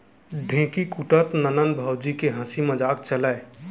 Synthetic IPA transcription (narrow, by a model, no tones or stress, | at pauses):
ɖʱẽːkikuʈət̪nənənbʱəwd͡ʒikeɦə̃siməd͡ʒaːkt͡ʃələ